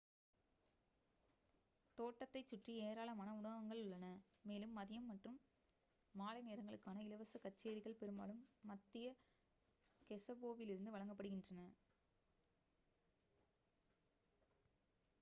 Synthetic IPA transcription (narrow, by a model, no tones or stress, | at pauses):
t̪oːʈːɐt̪ːɐɪt͡ʃːʊʈrieːɾaːɭɐmaːnɐʊɳɐʋɐŋɡɐɭʊɭːɐnɐmeːlɯmːɐðɪjɐmːɐʈrɯmː | aːlɐɪneːɾɐŋɡɐɭɯkːaːnɐɪlɐʋɐsɐkɐt͡ʃːeːɾɪɣɐɭpɛɾɯma̰ːlɯmːɐt̪ːɪjɐ | kɛsɐboːʋɪlɪɾɯnd̪ɯʋɐɻɐŋɡɐpːɐɽɯɣɪndrɐnɐ